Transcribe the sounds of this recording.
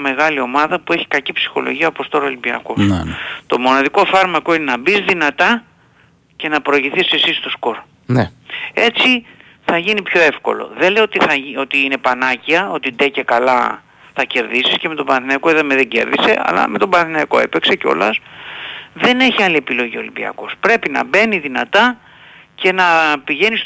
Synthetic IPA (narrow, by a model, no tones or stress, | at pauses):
me̞ɣɐlio̞mɐðɐpue̞çi̥kɐcipsi̥xo̞̰lo̞̰ʝiɐopost̪o̞ɾolimbiɐ̰ko̞st̪o̞mo̞nɐðiko̞fɐɾmɐko̞inenɐbizðinɐt̪ɐ | ce̞nɐpɾoɐʝiθisesist̪o̞sko̞ɾ | ee̞t͡si | θɐʝinipço̞efko̞̰lo̞̰ðelejot̪iθɐio̞t̪iine̞pɐnɐciɐo̞t̪id̪e̞cekɐlɐ | θɐce̞ɾðisisceme̞t̪o̞bɐnɐθinɐikoiðɐmeðeɟe̞̰ɾðise̞̰ɐ̰lɐ̰me̞t̪o̞bɐnɐθinɐiko̞̰e̞̰pe̞kse̞ceo̞̰lɐ̰s | ðe̞ne̞çiɐliepilo̞ʝio̞limbiɐ̰ko̞spɾe̞pinɐ̰be̞niðinɐt̪ɐ | ce̞nɐpiʝe̞nis